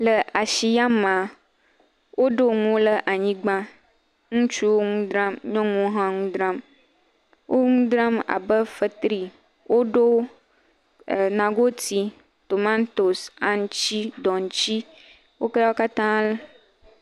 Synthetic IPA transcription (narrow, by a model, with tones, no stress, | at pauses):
lə˨ʔa˨ʃi˨ja˦mã˨ | wʔo˦ɖo˦ŋũ˦lə˦ʔa˨ɲĩ˦ɡ͡bã˦ | ŋũ˦t͡ʃu˦wo˦ŋũ˦d̪ɾã˦mɲɔ̃˦ŋũ˦ɦã˦ŋũ˦d̪ɾã˦m | wʔo˦ŋũ˦d̪ɾa˦ma̰˨bə˦fə˨t̪ɾi˨ | wʔo˦ɖo˦˨ | nã˨ɡo˦t̪i˨ | t̪o˨mã˦nt̪o˨sa˦n˦t͡ʃi˦d̪ɔ˨ŋ˨˦t͡ɕi˦ | wo˦kə˦la˦wo˦ka˦t̪ã˦lə˦